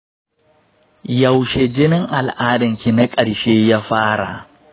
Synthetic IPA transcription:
ja˨wʃe˨d͡ʒɪ˦nɪ˦ŋʔa˨lʔaː˦dɐ˨ŋkʲi˨na˦kʼɐ˨ɽʃeː˦ja˦ɸaː˦ɽa̰˨

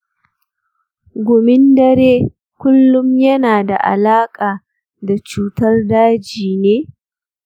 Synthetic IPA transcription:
ɡʷʊ˨mɪ˦ndɐ˦ɾeː˦ | kʷʊ˦lːʊ˦mjɐ˦naː˨da̰˨ʔa̰˨laː˦kʼaː˨ | da˨t͡ʃuː˦tɐ˦rdaː˦d͡ʒiː˨neː˦

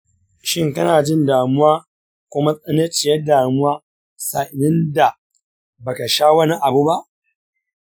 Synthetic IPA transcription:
ʃɪ˦ŋkɐ˦naː˨d͡ʒɪ˦˨ndaː˨mʊ˦waː˦ | kʷʊ˦ma˦sʼɐ˦nɐ˦t͡ʃɪ˨jɐ˦daː˨mʊ˦waː˦ | sa˨ʔɪ˨nɪ˦nda˨ | bɐ˨ka˨ʃaː˦wɐ˦ni˦ʔa˨bu˦ba˦ʔ

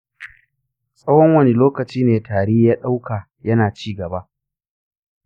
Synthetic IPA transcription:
sʼɐ˦wɔ˦ŋwɐ˦ni˦loː˦kɐ˨t͡ʃiː˦neː˨taː˨ɽeː˦jaː˦ɗa˦wkaː˨ | jɐ˦naː˨t͡ʃiː˦ɡɐ˨ba˦ʔ

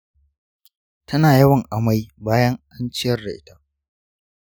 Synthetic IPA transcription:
tʰɐ˦naː˨jɐ˦wɐ˨ŋʔa˨ma˦jbaː˦jɐ˦ŋʔa˦nt͡ʃɪ˦jɐ˦rda˨ʔɪ˦ta˦

